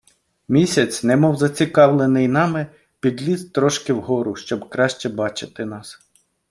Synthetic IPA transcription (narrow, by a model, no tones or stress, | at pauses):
mʲisʲɐt͡sʲnɛmɔwzɐt͡sʲikɑwlˠenɪjnɑmɪ | pʲid̪ʲlʲizt̪ɾɔʃkɪwɦɔɾʊʃt͡ʃɔbkɾɑʃt͡ʃɛbɑt͡ʃɪt̪ɪnɑs